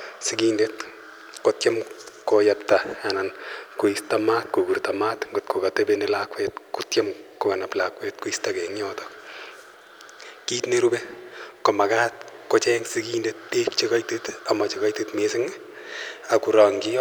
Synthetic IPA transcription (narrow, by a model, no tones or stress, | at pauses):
sikindet | kotjamkojaptaanankoistamaːt̚kukuɾtamatŋɡot̚kokatebenelakwet̚kutjamkokanaplakwetkuistakɛŋjɔːtɔ̥ | kiːtneɾubekomakat̚kot͡ʃɛŋsikindet̚dekt͡ʃikajtetamat͡ʃikajtetmesɪŋ | akuɾɔːŋɡi